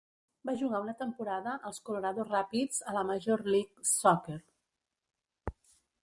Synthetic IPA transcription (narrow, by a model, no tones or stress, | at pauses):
baʒuɣaunət̪əmpuɾaðəʔəlˠskuluɾaðozrapid͡zələməʒorliksɔkeɾ